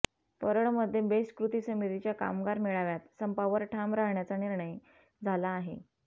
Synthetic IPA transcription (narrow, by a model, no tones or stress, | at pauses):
pəɾəɳməd̪ʱːjebeskɾut̪isəmit̪it͡ɕjaka̰mɡaɾmiɭaʋjat̪səmpaʋəɾʈʰamɾaɦɳjat͡saniɾɳəj | d͡zʱalaːɦḛ